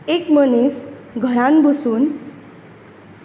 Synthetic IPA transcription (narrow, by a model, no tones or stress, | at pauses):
ekmʌnisɡʱʌɾanbusun